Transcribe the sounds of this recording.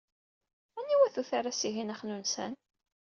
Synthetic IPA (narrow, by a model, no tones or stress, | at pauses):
ænːiwæθuθaɾasiɦinaχnunsæ̰n